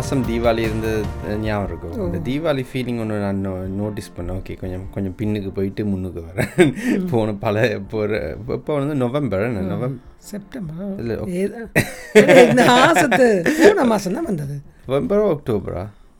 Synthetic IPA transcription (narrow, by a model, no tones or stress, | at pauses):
sɐmd̪iːʋaːliɪɾɯnd̪ɐnaːʋɾɯkːɯʋɐnɐd̪iːʋaːlifiːlɪŋɡɔnːɯnãːnnoːʈɪspɐnːẽoːkeːkɔɲd͡ʒɐ̃kɔɲd͡ʒɔ̃mpɪnːɯkːɯpoːjɪʈːɯmʊnːɯkːɯʋɐɾẽpʰoːnɐ̃pɐlɐpːoːɾ̰ɪpːoːʋɐnnd̪ɯnɔʋɛmbɐɾɛnːɯnɔʋɛmsɛp̚ʈɐmbɐɾɪlːɐ̰ː | nd̪ɐaːsɐt̪ːɨpuːnɐmaːsɐmt̪ãːʋɐnd̪ɐðɯnɔʋɛmbɐɾoɔk̚ʈoːbɐ̰ɾa̰ː